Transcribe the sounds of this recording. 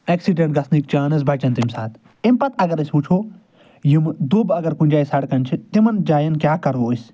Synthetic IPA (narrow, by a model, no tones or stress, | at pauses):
eːksiɖẽɳʈ̚ɡɐsnikt͡ʃaːnɐz̬bɐt͡ʃɐnt̪imsaːt̪ | impɐt̪ʰɐɡɐɾɐsʲpuːt͡ʃʰoː | jimd̪ubɐɡɐɾkunʲd͡ʒaːisɐɽkɐnʲt͡ʃʰit̪imɐnd͡ʒaːjɐnkʲjaːkɐɾoːisʲ